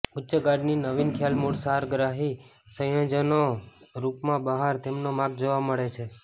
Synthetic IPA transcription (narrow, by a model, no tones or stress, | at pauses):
utːʃəɡaɖninəʋinkʰjalmuɽsaɾɡɾaɦi | səjə̃d͡ʒənoɾupmãbəɦaɾt̪emnomãɡ̚d͡ʒoʋaməɭet͡ʃʰe